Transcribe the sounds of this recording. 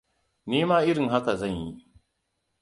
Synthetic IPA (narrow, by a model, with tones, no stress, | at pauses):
niː˦maː˦ʔɪ˦ɾɪ˨ŋɦa˦ka˨za˦˨ɲji˦